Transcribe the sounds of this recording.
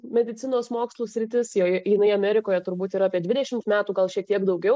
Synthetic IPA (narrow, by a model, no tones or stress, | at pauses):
mʲɛd̪ʲɪt̪t͡s̪ʲɪnoːsmoːkslˠuːsʲɾʲɪt̪ʲɪsjoːjɪnɐɪɐmʲæːɾʲɪkoːjɛt̪ʊɾbuːt̪iɾaːpʲiɛd̪ʲʋʲɪdʲɛʃʲɪmt̪mʲæːt̪uːɡɐlˠʃʲiɛk̚t̪iɛkd̪ɐʊɡʲɛʊ